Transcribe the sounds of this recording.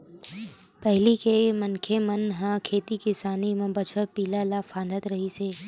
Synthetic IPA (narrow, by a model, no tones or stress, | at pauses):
pɛɦlikemənkʰemənɦãːkʰeːt̪ikɪsaːnimẽbət͡ʃʰəɾpiːlalafʰãːnd̪ət̪ɾəɦiseː